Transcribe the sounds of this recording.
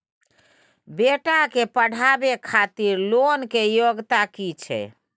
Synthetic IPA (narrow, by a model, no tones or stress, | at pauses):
beʈakepəɽ̤ʱabekʰat̪iɾlonkejoɡt̪akit͡ʃʰɛ̰